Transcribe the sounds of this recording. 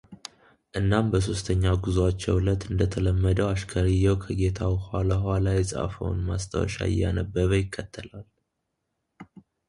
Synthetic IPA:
ʔɨnːambəs̬o̞st̪ʰəɲːaɡuzwat͡ʃːɛwlət̪ːɨnd̪ət̪ʰələmːəd̪əwaʃkʰəɾijɛwkʰəɡe̞t̪ʰawhwalahwalajɛsʼa̰fə̰w̰nmast̪ʰə̰wɔ̰ʃa̰ɪ̰jːa̰nəbːəβəjɪkʰːət̪ʰːəlal

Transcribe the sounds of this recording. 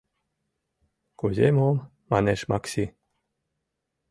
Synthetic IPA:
kuzʲḛmom | maneʃmaksʲi

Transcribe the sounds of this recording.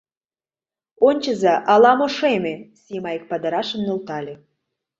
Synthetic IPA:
onʲt͡ɕəzɑʔɑlɑmoʃemʲesimɑjek̚pɑd̪ɑɾɑʃə̆mnult̪ɑlʲe

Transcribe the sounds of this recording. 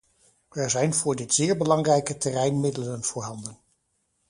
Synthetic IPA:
ɛɹzɛjnvʊːɹdɪtz̥ɪːɹbəlɑŋrɛjkətɛrɛjnmɪdələnv̥ʊːɹɦɑndən

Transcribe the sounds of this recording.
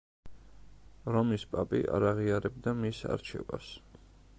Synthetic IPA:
ɾɔmispʼapʼḭʔa̰ɾaʁiaɾɛb̚d̪amisa̰ɾt͡ʃʰɛ̰va̰s

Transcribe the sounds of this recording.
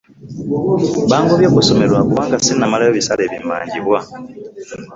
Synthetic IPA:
βaːŋɡoβjoːkuso̞melwakuwaːŋɡasinamalajoβisaleβimba̰ːɲɟiβwa

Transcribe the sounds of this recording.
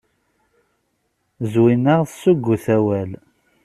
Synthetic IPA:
zwinəʁðsuɡːuθæwæl

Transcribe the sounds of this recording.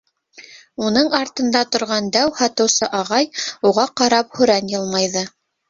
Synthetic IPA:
unɤɴɑɾt̪ɤ̆nd̪ɑt̪ŏɾʁɑnd̪æwhɑt̪ɤ̆wsɤʔɑʁɑjuʁɑqɑɾɑp̚hɵ̆ɾænjɤlˠmɑjðɤ

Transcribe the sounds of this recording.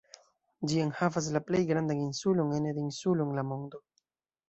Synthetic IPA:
d͡ʒieŋhavas̬laplejɡɾand̪aŋinsuloŋened̪insuloŋlamond̪o

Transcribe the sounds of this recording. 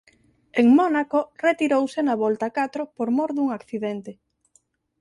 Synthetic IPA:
eŋmonakoret̪iɾowsenaβɔlt̪akat̪ɾopoɾmoɾðuŋakθiðent̪e

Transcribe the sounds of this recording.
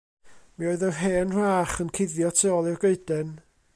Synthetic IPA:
mioɨðərɦeːnr̥aːχənkʰɪðjɔtʰeɔlˠɪrɡeɨdɛn

